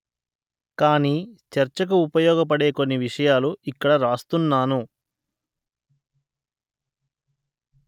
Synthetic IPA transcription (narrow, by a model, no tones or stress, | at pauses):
kaːniːt͡ʃɐɾt͡ʃɐk̬uːpɐjɔːɡɐp̬ɐɽe̞ːko̞nːiʋiʂɐjaːluikːɐɽɐɾaːst̪unːaːnu